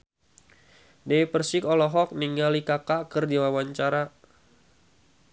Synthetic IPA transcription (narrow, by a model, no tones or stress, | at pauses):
deipərsɪkɔlɔɦɔk̚niŋɡalikakakərdiwawaɲt͡ʃaɾa